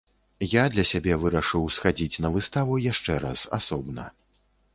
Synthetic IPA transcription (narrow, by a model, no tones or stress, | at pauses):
jad̪lʲɐsʲabʲɛvɨɾɐʂɨwsxad͡zʲit͡sʲnɐvɨst̪avujaʂt͡ʂɛɾa̰sa̰sɔbnɐ̰